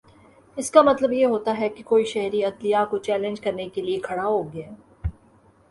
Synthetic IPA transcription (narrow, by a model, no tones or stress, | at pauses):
ɪskamɐt̪ləbjeɦoːt̪aɦɛkikoːiʃɛɦɾiɐt̪lijakot͡ʃɛːlɪ̃nd͡ʒkɐɾnekeliekʰɐɽaɦoːɡaː